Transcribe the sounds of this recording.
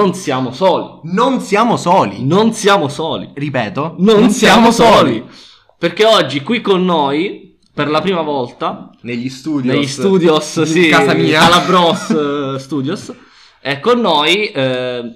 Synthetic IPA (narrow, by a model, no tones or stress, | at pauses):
onsjaːmosɔːlḭnonsjaːmosɔːlḭnonsjaːmosɔːlḭripɛːt̪ononsjaːmosɔːli | perk̟eɔd͡ʒːikwikːonːoj | perlapɾiːmavɔlt̪aneʎːist̪uːd̪joeʎːisst̪uːd̪josikazamiːaalːabɾɔsst̪uːd̪jos | ɛkːonːojɛ